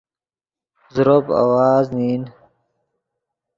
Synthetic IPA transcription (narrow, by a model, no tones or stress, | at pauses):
zɾoba̰waːzniːn